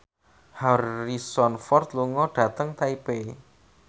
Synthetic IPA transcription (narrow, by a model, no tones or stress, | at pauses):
hɔrisɔnfɔrt̪luŋɔɖ̥ä̤t̪əŋt̪aipe